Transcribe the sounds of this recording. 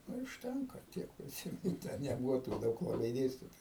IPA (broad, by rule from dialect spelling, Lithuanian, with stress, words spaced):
nʊ ɪ ʊʃʲˈtʲɛŋkɐ ˈtʲiɛk pʲrʲɪˈsʲiːmʲɛnʊ tʲɛ nʲɛˈbʊʋoː tuː ˈdɐʊk lˠɐˈbɐɪ ˈdʲeːsʲtʲɪtoːjʊ